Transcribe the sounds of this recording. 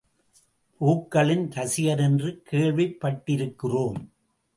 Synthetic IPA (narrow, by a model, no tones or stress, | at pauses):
puːkːɐɭɪnt̪ɐsɪjɐɾɛndrɯkʰeːɭʋɪpːɐʈːɪɾɯkːɪroːm